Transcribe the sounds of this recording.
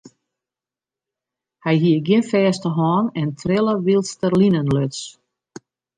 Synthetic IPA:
hɛjɦiəɡjɪnfɛːstəɦɔːnɛntʰrɪlˠəʋilˠstərlinənløts

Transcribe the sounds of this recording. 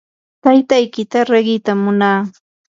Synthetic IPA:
t̪ajt̪ajkɪt̪aɾeɢɪt̪amːʊnaː

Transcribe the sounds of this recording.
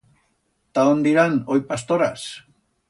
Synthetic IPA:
t̪aond̪iɾanojpast̪oɾas

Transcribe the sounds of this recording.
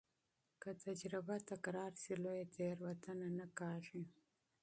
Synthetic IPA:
kat̪ad͡ʒɾɪbat̪akɾɑːɾsilojet̪ʰeɾwat̪ananakɑːʐi

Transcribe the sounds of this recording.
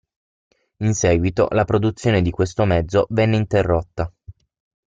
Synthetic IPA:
insɛːɡwit̪o̰lapɾod̪ut̪sːjoːned̪ikwest̪omɛd̪zːovɛnːeint̪erːot̪ːa

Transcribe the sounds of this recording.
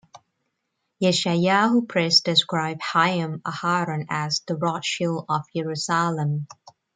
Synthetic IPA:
jɛʃajahupʰɹɛsd̥ɪskɹaɪb̥̚haɪə̃məhaɹə̃nəzðəɹɔtʃilˠəvjɛɹusalə̃m

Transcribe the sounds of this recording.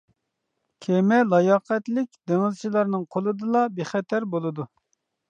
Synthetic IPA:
kʲʰemɛlˠɑjɑqʰɛt̪lɪkʲd̪eŋɨzt͡ʃʰilˠɑɾnɨŋqʰolˠɨd̪ɨlˠɑbeχɛt̪ʰɛɾbolˠɨd̪u

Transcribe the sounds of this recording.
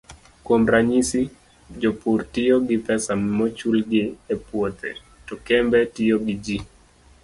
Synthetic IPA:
kwomɾaɲisi | d͡ʒɔpurtijoɡɪpɛsammɔt͡ʃulɡɪɛpwot̪ʰɛ̰ | tɔkɛmbɛtijoɡid͡ʒi

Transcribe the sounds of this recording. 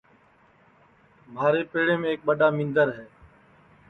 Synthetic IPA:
mʱaːɾeːpeːɽeːmẽːeːk̚ɓəɖaːmɪ̃ːnd̪əɾɦɛː

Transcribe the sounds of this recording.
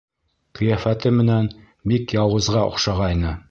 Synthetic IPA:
qɵ̆jæfæt̪ɘmɘ̆næn | bikjɑwˠɤ̆zʁɑŏ̰qʃɑʁɑjnɤ

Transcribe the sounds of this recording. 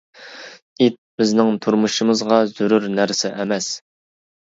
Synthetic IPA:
it̪̚b̥ɪznɪŋt̪ʰuɾmuʃɨmɨzʁɑz̥uɾuɾnæɾsɪʔɛmɛs

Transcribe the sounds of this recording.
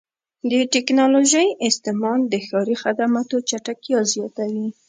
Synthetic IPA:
d̪əʈɪknɑloʒəjɪst̪ɪmɑnd̪əxɑɾixad̪amat̪ot͡ʃaʈakjɑzjɑt̪awi

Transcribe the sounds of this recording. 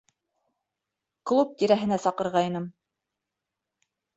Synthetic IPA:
klˠup̚t̪iɾæɦɘ̆næsɑqɤ̆ɾʁɑj̆nɤm

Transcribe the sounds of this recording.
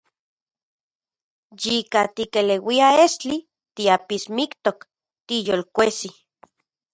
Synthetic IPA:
jikat̪ikelewiaest͡ɬi | t̪iapismikt̪ok | t̪ijolkʷesi

